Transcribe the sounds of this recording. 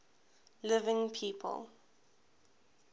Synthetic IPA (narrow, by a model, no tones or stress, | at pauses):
lɪvɪ̃ŋpʰiːpʰə̰lˠ